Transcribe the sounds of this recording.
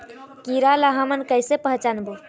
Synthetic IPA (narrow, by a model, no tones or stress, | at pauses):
kiɾalaɦamənkəjsepəɦt͡ʃanbu